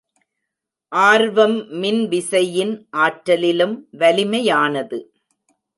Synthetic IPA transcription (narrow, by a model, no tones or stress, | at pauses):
ʔaːɾʋɐmːɪnʋɪsɐjɪnʔaːʈːɐlɪlɯmʋɐlɪmɐjaːnɐðɯ